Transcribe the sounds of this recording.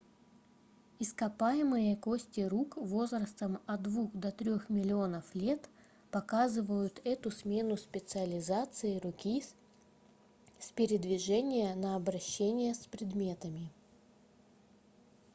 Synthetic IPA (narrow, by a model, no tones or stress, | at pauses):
ɪskɐpajɪmɨjəkosʲtʲɪɾukvo̞zɾəst̪əmɐd̪vuxd̪ɐt̪ɾʲo̞xmʲɪlʲɪo̞nəflʲe̞t̪ | pɐkazɨvəjʊt̪ɛt̪ʊsmʲenʊspʲɪt̪sɨəlʲɪzat̪sɨɪɾʊkʲi | spʲɪɾʲɪd̪vʲɪʐɛnʲɪjənəːbɾɐɕːenʲɪjəspɾʲɪd̪mʲe̞t̪əmʲɪ